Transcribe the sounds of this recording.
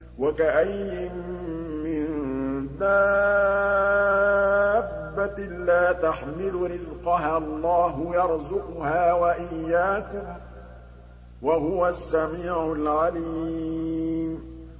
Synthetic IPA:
wakaʔajːɪmː | ɪnd̪a | bːa | laːt̪aħmɪlʊɾɪzqɑɦaːʔɑlˤːɑːɦʊjɑɾˤzʊqʊhaːwaʔɪjːaːkʊm | waɦʊwasːamiːʕʊlʕali | m

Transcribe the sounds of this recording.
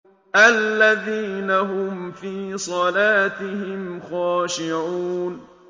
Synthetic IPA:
ʔalːaðiːnaɦʊmfiːsˤɑlaːt̪ɪhɪmxaːʃɪʕuːn

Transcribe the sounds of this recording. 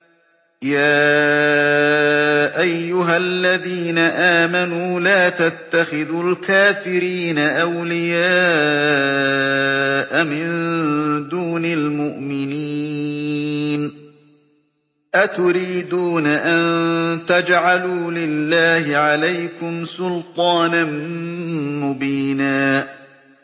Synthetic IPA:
jaː | ʔajːʊɦalːaðiːnaʔaːmanuːlaːt̪at̪ːaxɪðulkaːfɪɾiːnaʔawlɪjaː | ʔamɪnd̪uːnalmʊʔmɪni | n | ʔat̪ʊɾiːd̪uːnaʔant̪ad͡ʒʕaluːlɪlːaːhɪʕalajkʊmsʊlt̪ˤɑːnan | mʊbiːnaː

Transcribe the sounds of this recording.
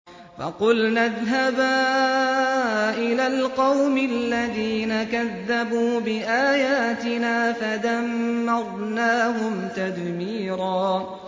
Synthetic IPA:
fɑ̰qʊlnaðɦabaː | ʔɪlaːlqɑwmɪlːaðiːnakaðːabuːbɪʔaːjaːt̪ɪnaːfad̪amːɑɾˤnaːɦʊmt̪ad̪miːɾɑː

